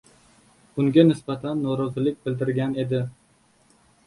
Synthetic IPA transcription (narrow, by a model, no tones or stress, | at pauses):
b̥ʊŋɡʲanɪsbat̪ʰanːɒɾɒzɪlɪk̚ʲbɪld̪ɪɾɡʲane̞d̪ɪ